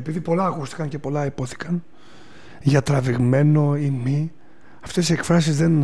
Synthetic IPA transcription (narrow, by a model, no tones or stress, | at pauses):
epiðipo̞lɐːkust̪i̥kɐncepo̞lɐipo̞θi̥kɐn | ʝɐt̪ɾɐviɣme̞no̞imi | ɐft̪e̞siekfɾɐs̬izðe̞n